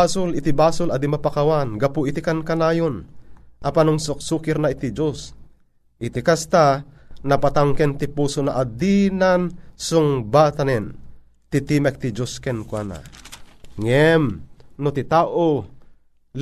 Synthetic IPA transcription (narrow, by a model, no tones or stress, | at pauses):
asʊlit̪ibasʊlɐd̪imapakawanɡapuit̪ikankanaːjonʔɐpanuŋsʊk̚sukɪɾnait̪id͡ʒos | ʔit̪ikast̪anapat̪aŋkɛnt̪ipuːsonaʔad̪inansuŋbat̪anɛn | t̪it̪imɛk̚t̪id͡ʒoskɛnkwana̰ | ŋɛmnot̪it̪aːʔo